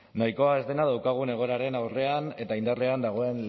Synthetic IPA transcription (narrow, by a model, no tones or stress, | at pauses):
najko̞ae̞zd̪e̞nað̞awkaɣ̞une̞ɣ̞o̞ɾaɾe̞nawre̞ane̞t̪aind̪arleand̪aɣ̞o̞e̞nl